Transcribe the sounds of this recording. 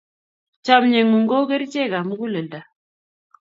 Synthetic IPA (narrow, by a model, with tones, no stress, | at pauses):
t͡ʃa˨m˨ɲe˨ŋu˨ŋɡo˦kə˦ɾi˦t͡ʃe˦˨ka˨mu˦ku˦lə˨lda˨